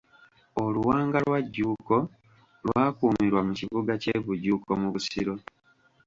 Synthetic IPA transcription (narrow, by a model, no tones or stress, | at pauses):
oluwaːŋɡalwaɟːuːko̞ | lwaːkuːmiɾwamuciβuɡace̞βuɟuːko̞muβusiɾo̞